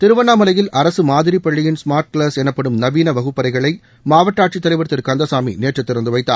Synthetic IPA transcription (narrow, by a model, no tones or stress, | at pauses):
t̪ɪɾɯʋɐnaːmɐlɐjɪlʔɐɾɐsɯmaːðɪɾipːɐɭːɪjɪnsmaːɾʈ̚kɭaːsɛnɐpːɐɽɯmnɐʋiːnɐʋɐɣɯpːɐɾɐɪɣɐɭɐɪ | maːʋɐʈːaːʈt͡ʃit̪ːɐlɐɪʋɐɾt̪ːɪɾkɐnd̪ɐsaːmḭneːʈrɐt̪ːɪɾɐnd̪ɯʋɐɪt̪ːa̰ː